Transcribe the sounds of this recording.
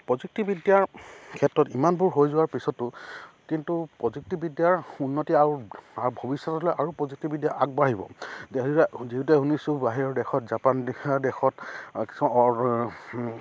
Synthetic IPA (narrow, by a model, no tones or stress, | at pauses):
pɹɔzuk̚tibidijaɹkʰɛtːɹɔtimanbʊɹɦojzʊwaɹpisɔtːʊkintupɹɔzuk̚tibidjaɹunːɔtiaaɹbʱobisːɔtɔlɔjʔaɹupɹɔzuk̚tibidjaʔaɡ̚baɦibɔ̰deziɦutuɛɦunisubaɦiɹɔɹdɛxɔtzapandɛxɔtki̥smaɔ